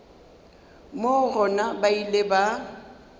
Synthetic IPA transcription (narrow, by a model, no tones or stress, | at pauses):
morɔnabaileba